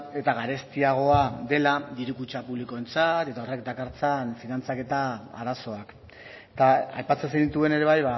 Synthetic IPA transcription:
e̞t̪aɣaɾe̞st̪iaɣ̞o̞aðe̞lad̪iɾukut͡ʃapuβliko̞e̞nt͡sat̪e̞t̪ao̞re̞k̚d̪akaɾt͡sanfinant͡sake̞t̪aa̰ɾaso̞ak | t̪aa̰jpat͡se̞nseɣnit̪ue̞ne̞ɾe̞β̞ajβa

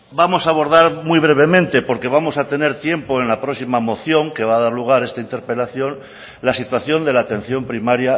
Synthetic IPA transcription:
bamo̞saːβ̞o̞ɾðaɾmwijβ̞ɾe̞β̞e̞mẽnt̪e̞po̞ɾke̞β̞amo̞sat̪e̞ne̞ɾt̪je̞mpo̞enlapɾoksimamo̞θjo̞ŋke̞βaːð̞aɾluɣ̞aɾe̞st̪aint̪e̞ɾpe̞laθjo̞n | lasit̪waθjo̞nd̪e̞laːt̪ẽ̞n̟θjo̞mpɾimaɾja

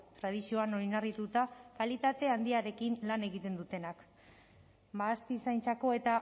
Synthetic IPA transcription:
t̪ɾað̞isio̞ano̞ɾinarit̪ut̪akalit̪at̪e̞and̪iaɾe̞kinlane̞ɣit̪e̞nd̪ut̪e̞nak | baːst̪isajnt͡sako̞e̞t̪a

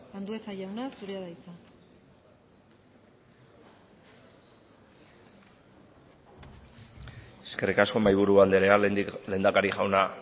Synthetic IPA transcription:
land̪ue̞saʝawnasuɾeaðajt͡sa | e̥ske̞rikasko̞majβ̞uɾuand̪eɾeale̞nd̪akaɾixʝawna

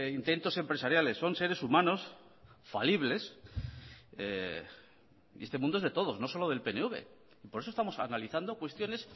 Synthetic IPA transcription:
int̪e̞nt̪ose̞mpɾe̞saɾjale̞sːo̞nse̞ɾe̞sumãno̞s | fa̰liβ̞le̞s | ḭest̪emũnd̪oezðe̞t̪o̞ð̞o̞zno̞so̞lo̞ð̞e̞lpe̞neuβe̞̰ | ipo̞ɾesost̪amo̞sa̰naliθand̪okwe̞st̪jo̞ne̞s

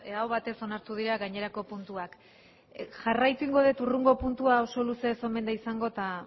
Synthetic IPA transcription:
awβat̪e̞so̞naɾt̪uð̞iɾaɣaɲe̞ɾako̞punt̪uak | ʝarajt̪uiŋɡo̞ð̞e̞t̪uruŋɡo̞punt̪uao̞so̞luse̞so̞me̞nd̪aisaŋɡo̞t̪a

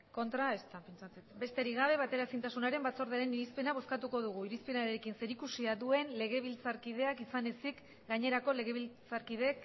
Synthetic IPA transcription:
ko̞nt̪ɾae̞st̪apent͡ʃat͡set̪be̞st̪e̞ɾiɣaβe̞β̞at̪e̞ɾasint̪asunaɾe̞mbat͡so̞ɾðeaɾe̞niɾispe̞naβo̞skat̪uko̞ð̞uɣ̞uiɾispe̞naɾeɾekinse̞ɾikusiaðue̞nle̞ɣ̞e̞β̞ilt͡saɾkið̞e̞akisane̞sik | ɡaɲe̞ɾako̞le̞ɣ̞e̞βilt͡saɾkiðe̞k

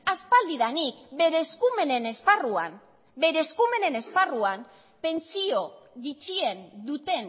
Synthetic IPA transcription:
aspald̪iðanikbe̞ɾeskume̞ne̞ne̞sparuam | be̞ɾeskume̞ne̞ne̞sparuam | pe̞nt͡sio̞ɣit͡ʃie̞nd̪ut̪e̞n

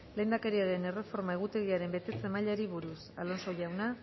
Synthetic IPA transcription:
le̞jnd̪ake̞ɾiaɾe̞ne̞re̞fo̞ɾmaeɣ̞ut̪e̞ɣ̞iaɾe̞mbe̞t̪e̞t͡se̞maʎaɾiβuɾusalonso̞ʝawna

